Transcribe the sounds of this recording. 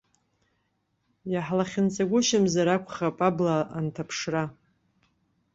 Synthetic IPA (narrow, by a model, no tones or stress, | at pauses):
jaħlaχʲɪnt͡sʼaɡʷʊʃamzaɾakʷʰʼχapʼablaʔantʰapʰʂra